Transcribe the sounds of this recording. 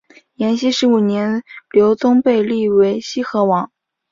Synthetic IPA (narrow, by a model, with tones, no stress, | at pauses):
jɛ˧˥nɕi˥ʂɻ̩˧˥u˨˩njɛ˧˥nljo˧˥ʊt͡s̪ʊ˥ŋpe˥˧ɪli˥˩we˧˥ɪɕi˥xɤ˧˥wɑ˨˧˥ŋ